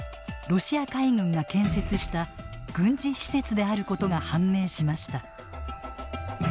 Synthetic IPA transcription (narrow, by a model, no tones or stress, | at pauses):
ɾo̞ɕiakaiŋɯ̟̃ŋɡakẽ̞ɰ̃se̞t͡sɨɕi̥t̪aɡ̥ɯ̟̃ɲd͡ʑiɕi̥se̞t͡sɨd̪e̞aɾɯ̟ko̞t̪o̞ɡahãmːe̞ːɕimaɕi̥t̪a